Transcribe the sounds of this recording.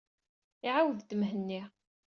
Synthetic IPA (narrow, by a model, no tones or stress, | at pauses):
iʕawəðd̪əmɦənːi